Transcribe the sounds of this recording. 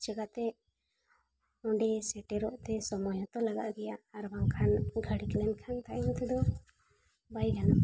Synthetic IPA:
d͡ʒɛɡat̪ɛ | ɔɳɖɛsɛʈɛɾɔʔt̪ɛsɔmɔjɔt̪ɔlaɡa̰ʔ̪ɡɛjaːɾbaŋkʰanɡʱəɽiklɛnkʰant̪aʔɲat̪ɛd̪ɔ | bajɡana

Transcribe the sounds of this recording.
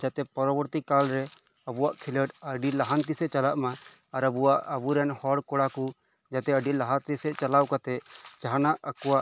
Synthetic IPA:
d͡ʒat̪ɛpɔɾɔbɔɾt̪ikalɾɛ | əbuwaʔkʰiləʈəɖilaɦant̪isɛt͡ʃalaʔmaː | ɾəbuwaʔəbuɾɛnhɔɽkɔɽaku | d͡ʒat̪ɛəɖilaɦaɾt̪isɛt͡ʃalawkat̪ɛʔt͡ʃaɦanaʔəkɔwaʔ

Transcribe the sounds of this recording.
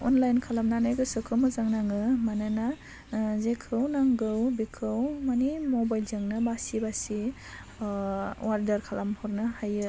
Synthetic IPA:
ɔ̰nlajnkʰalamnanajɡɯsɯkʰɯmɯzaŋnaŋɯmanɯna | zekʰɯwnaŋɡɯwbekʰɯwmanimɔbajlzɯŋnɯbasibasi | waɾdaɾkʰalamhɔɾnɯhajɯ

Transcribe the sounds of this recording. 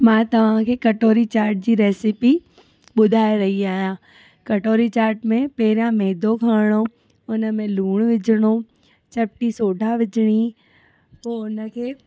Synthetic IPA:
mãːt̪ɐʋ̤ãkʰeːkɐʈoːɾit͡ɕaːɾʈ̚d͡ʑiːɾɛːsɪpi | ɓʊd̪ʱaːeɾɐɦiaːɦjãː | kɐʈoːɾit͡ɕaːɾʈmẽpɛɦɪɾãmɛːd̪ʱokʰaːɽ̃o | ʊnəmẽluːɽ̃ʋɪd͡ʑʱɽ̃o | t͡ɕɐp̚ʈisoːɖʱaʋɪd͡ʑɽ̃i | poːʊnəkʰeː

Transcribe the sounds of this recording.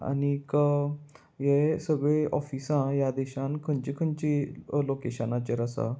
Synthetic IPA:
a̰nikə | jesəɡɭeʔɔfisãjad̪ɛɕãnkʰəɲt͡ɕikʰənt͡ɕilokeɕənãt͡ɕəɾəsa̰

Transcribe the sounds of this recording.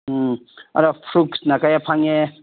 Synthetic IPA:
a̰ɾapʰɾuksnakajapʰaŋe

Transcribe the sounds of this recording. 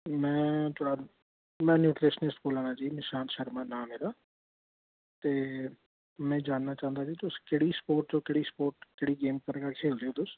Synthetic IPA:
mɛ̃ːt̪ʰoːɽaː | mɛ̃ːnjuːʈɾeʃnɪsʈboːlãːnaːd͡ʒiːmɪʃaːnʃəɾmãːnaːmeːlaː | t̪eː | mɛ̃ːd͡ʒaːnːaːt͡ʃãːə̃nd̪aːd͡ʒiːt̪ʊskeɽiːspoːɾʈ̚d͡ʒõːkɪɽiːspoːɾʈkeɽiːɡeːmkəɾɡaːkʰeːld̪eoːt̪ʊs

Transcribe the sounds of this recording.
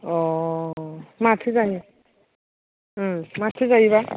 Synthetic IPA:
ɔ | matʰɯzani | matʰɯzaiba

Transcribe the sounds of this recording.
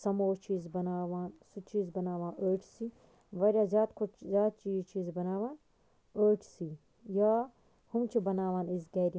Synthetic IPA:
sɐmoːt͡ʃiːzbɐnaːʋaːnsut͡ʃiːzbɐnaːʋãːnʔəːʈʰsi | ʋɐɾʲjaːzʲjaːt̪kʰut͡ʃzʲjaːt̪̚t͡ʃiːzt͡ʃiːzbɐnaːʋaːn | əːʈʰsi | jaː | humt͡ʃʰibɐnaːʋaːnisɡɐːɾʲi

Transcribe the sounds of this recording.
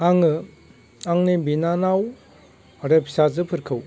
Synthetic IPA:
aŋɯ | aŋnibinanaw | aɾepʰi̥sazɯpʰɯɾkʰɯw

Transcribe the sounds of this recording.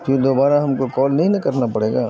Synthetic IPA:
fɪɾd̪oːbaːɾaɦɐmkokɔːlnɐɦĩnɐkɐɾnapɐɽeːɡaː

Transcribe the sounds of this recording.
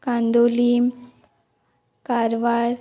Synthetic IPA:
kand̪olim | kaɾʋaɾ

